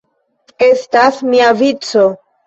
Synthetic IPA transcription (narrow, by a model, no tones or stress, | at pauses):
e̞stasmiavit͡so̞